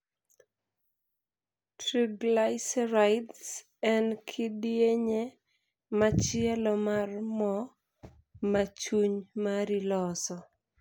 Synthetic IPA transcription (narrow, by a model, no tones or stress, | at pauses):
tɾiblaɪsɾaɪds | ɛnkʰɪdieɲe | mat͡ʃɪɛlɔmarmɔ | mat͡ʃuɲmaɾilɔsɔ